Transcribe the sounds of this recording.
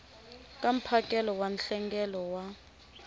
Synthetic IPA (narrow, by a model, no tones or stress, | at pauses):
kʼam̩pʰakʼɛlɔwanɬɛŋɡɛlɔwa